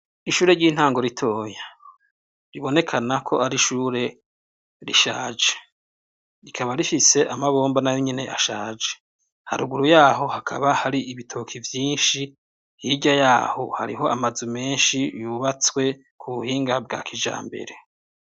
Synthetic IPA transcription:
iʃuːɾe̞ɾɟiːn̥haːŋɡo̞ɾitʰoːja | ɾiβo̞ne̞kʰanakʰo̞̰aɾiʃuːɾe̞ | ɾḭʃaːd͡ʒe̥ | ikʰaβaɾifise̞ʔamaβo̞ːmbanajoɲene̞ʔaʃaːd͡ʒe̥ | ha̰ɾuɡuɾujaːɦo̞hakʰa̰βahaɾiʔiβitʰoːkʰivjiːnʃi | jiɟajaːho̞̰ha̰ɾiɦo̞amazume̞ːnʃijuβat͡swe̞ | kʰuβuhiːŋɡabɡa̰ːkʰid͡ʒa̰ːmbe̞̰ɾe̞

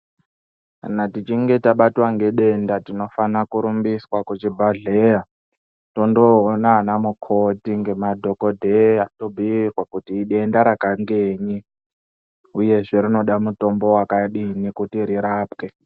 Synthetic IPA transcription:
ka̰natit͡ʃiŋɡe̞taɓatwaŋɡe̞ɗe̞ndatino̞fanakuɾumbiswakut͡ʃibʱaɮeja | to̞ndoːnaːnamukʰotiŋɡe̞madʱo̞kodʱeatobʱiirwakutiːɗe̞ndaɾakaŋɡeːɲi | uje̞ʐe̞ɾino̞ɗamuto̞mbo̞wakaɗinikutiɾiɾaːpke

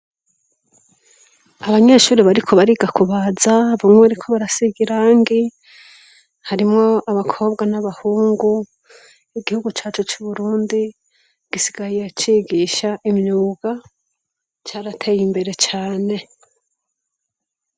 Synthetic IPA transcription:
aβaɲe̞ːʃuːɾiβaɾikʰo̞βaɾiɡakuβaːzaβumŋweɾikʰo̞βaɾasiɡiɾaːŋɡi | haɾimŋo̞ʔaβakʰo̞ːbɡanaβahuːŋɡu | iɡihuɡut͡ʃaːt͡ʃot͡ʃuβuɾuːndi | ɡ̥isi̥ɡajijet͡ʃiːɡiʃaʔimɲuːɡa | t͡ʃaːɾatʰe̞jimbe̞ɾe̞t͡ʃaːne̞

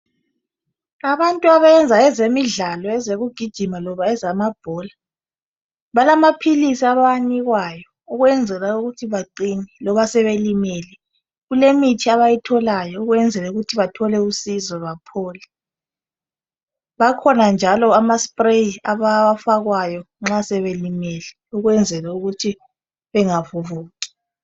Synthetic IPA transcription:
aβantʼuaβajɛnd͡zʱaɛzemiɮalɔɛzeɣuɡ̥ʱid̥ʒ̥ʱimalɔβaɛzamab̥ʱɔːla | βalamapʰilisiaβaaniɣwajɔ | uɣwɛnd͡zʱɛlauɣutʰiβaǃinɛlɔβasɛβelimɛːlɛ | ɣulemitʰiaβajitʰɔlajɔuɣwɛnd͡zʱɛlɛuɣutʰiβatʰɔlɛusizɔβapʰɔːlɛ | βakʰɔnand͡ʒʱalɔamaspʼreaβafaɣwajɔ | ŋ͡ǁasɛβelimɛlɛ | uɣwɛnd͡zʱɛlauɣutʰi | βɛŋavuvuːki̥

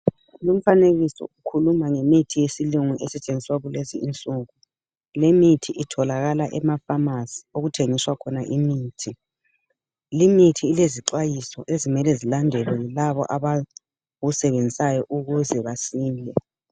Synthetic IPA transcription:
lum̩faneɣisɔ̰ukʰulumaŋemitʰijesiluŋuʔɛsɛt͡ʃʼenŋd͡zʱiswaɣuleziint͡sʼuɣu | lemitʰiʔitʰɔlaɣalaʔɛmafamasi̥oɣutʰeŋiswakʰɔnaʔimiːtʰi | limitʰiːleziǀwajisɔ̰ʔezimɛlɛzilandʱɛlɔjilaβɔ̰ʔaβa | ɣusɛβend͡zʱisajɔʔuɣuzɛβasiːlɛ

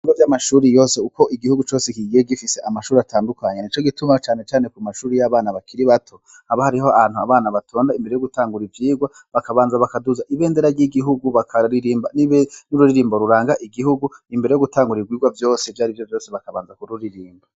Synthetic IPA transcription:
iɡovjamaʃuːɾijo̞ːse̞uko̞ʔiɡihuɡut͡ʃo̞ːsekiɡeɡifise̞ʔamaʃuːɾeatʰaːndukaɲenit͡ʃo̞ɡitumat͡ʃaːne̞t͡ʃaːne̞kumaʃuːɾejaβaːnaβakʰiɾiβatʰo̞ | haβahaɾiɦoaan̥hua̰βaːnaβatʰo̞ːndaimbeɾe̞jo̞ɡutaːŋɡuɾivjiːɡwa | βakaβaːnzaβakaduzaʔiβe̞ːnde̞ɾaɟiɡiɦuɡuβakʰaɾiɾiːmbaninuɾuɾiɾiːmboɾuɾaːŋɡaʔiɡihuɡuimbeɾejo̞ɡutaːŋɡuɾiɡwiːɡwavjo̞ːsevjaːɾivjo̞vjo̞ːseβakaβaːnzakuɾuɾiɾiːmba

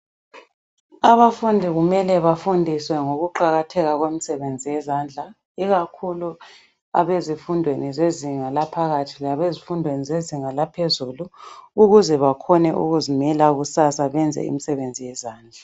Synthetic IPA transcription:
aβafundʱiɣumɛlɛβafundʱiswɛŋoɣuǃaɣatʰɛɣaɣwemisɛβend͡zʱijɛzand͡ɮʱa | iɣakʰulu | a̰βezifundʱwenizeziŋalapʰaɣatʰilaβezifundʱwenizeziŋalapʰezuluːɣuzɛβakʰɔnɛʔṵɣuzimɛlaɣusasaβɛnd͡zʱɛ̰ḭmisɛβend͡zʱijɛzaːnd͡ɮʱa

